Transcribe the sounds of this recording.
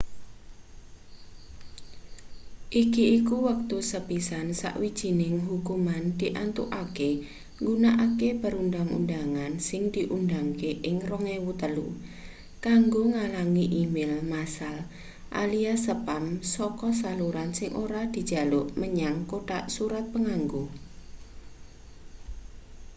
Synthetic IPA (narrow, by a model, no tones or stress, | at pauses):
ʔikiʔikuwək̚t̪usəpisansa̰ʔwid̥ʒ̥i̤nɪŋɦukumand̪̥iʔant̪uʔake | ŋɡunaʔakepəɾundaŋṵndaŋansɪŋd̪̥i̤ʔundaŋkeʔɪŋrɔŋewut̪əlu | kaŋɡoŋalaŋiʔimɪlmasal | ʔa̰liasəpamsɔkɔsaluɾansɪŋʔo̰ɾad̪̥i̤d̥d͡ʒ̥a̤lʊʔməɲaŋkoʈa̰ʔsuɾat̪̚pəŋaŋɡo